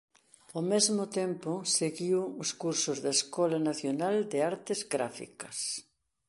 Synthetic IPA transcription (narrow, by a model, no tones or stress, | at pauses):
omezmʊt̪ɛmpʊseɣiwʊskuɾsʊzðeeskɔlanaθjonald̪ɪaɾt̪ɪzɡɾa̰fḭkɐs